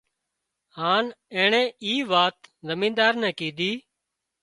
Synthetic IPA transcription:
haːnɛ̃ːɳɛ̃ːiːʋaːt̪zəmĩːd̪aːɾnɛ̃ːkiːd̪iː

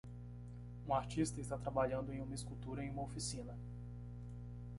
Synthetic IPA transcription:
ũaɾt͡ʃist̪ɐɪst̪at̪ɾabaʎɐ̃nd̪ʊẽj̃ũmɐiskut̪uɾɐẽj̃ũmɐofisĩnɐ

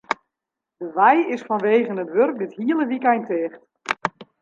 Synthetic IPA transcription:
dəʋɛjɪsfɔnʋeːɣənətʋørk̚dɪthiəlˠəʋikɛjntɪːχt

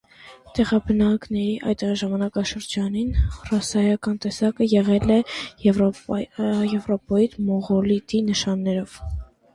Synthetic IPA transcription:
t̪ɛʁɑbənɑknɛɾiʔɑ̰jt̪ɛʁiʒɑmɑnɑkɑʃəɾd͡ʒɑninrɑsɑjɑkɑnt̪ɛsɑkəjɛʁɛlɛ | jɛvɾɔpɔjit̪mɔʁɔlit̪inəʃɑnːɛɾɔv̥

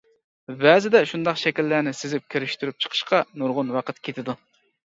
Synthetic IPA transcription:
bɛzɪd̪ɛʃund̪ɑqʃɛkʲilːænɪsɪzɪp̚kʲʰøɾyʃt̪yɾyp̚t͡ʃʰə̥qʰə̥ʃqɑnuɾʁʊnwɑqʰət̪kʲʰet̪ʰɪd̪u

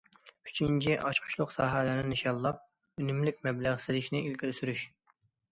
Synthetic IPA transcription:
y̥t͡ʃʰint͡ʃʰiʔɑʃqʰʊ̥ʃlˠʊqsɑːɦɛlæɾnɪniʃɑlˠːɑp̚ | ønymlɪk̚ʲmɛblæʁsɪlɪʃnɪilkʲʰilysyɾyʃ

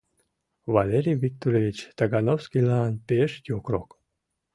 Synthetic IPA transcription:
valʲeɾʲijvik̚t̪oɾʲevʲit͡ɕt̪aɡanowskilɑnpeʃjʲokrok

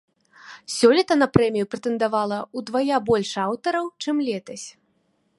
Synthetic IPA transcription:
sʲɔlʲit̪ɐnɐpɾɛmʲijupɾɛt̪ɛnd̪avalˠɐud̪vajabɔlʲʂawt̪ɐɾɐwt͡ʂɨmlʲɛt̪ɐsʲ

